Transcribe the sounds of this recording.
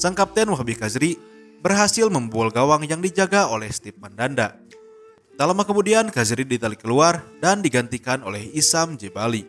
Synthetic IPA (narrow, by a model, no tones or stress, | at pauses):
saŋkap̚t̪ɛnwaɦbikazɾi | bərɦasɪlməmbualɡawaŋjaŋdid͡ʒaɡaolɛhst̪ɪp̚mandanda | t̪alamakəmudiankazɾidit̪alikəluardandiɡant̪ikanolɛhisamd͡ʒebali